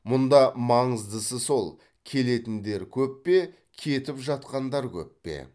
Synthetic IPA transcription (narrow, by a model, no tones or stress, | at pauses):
mʊnd̪ɑmɑɴəzd̪əsəso̞lˠ | kʲʰe̞le̞t̪ɪnd̪e̞ɾkʲʰɵpːe̞ | kʲʰe̞t̪ɪpʒɑt̪qɑnd̪ɑɾkʲʰɵ̰pːḛ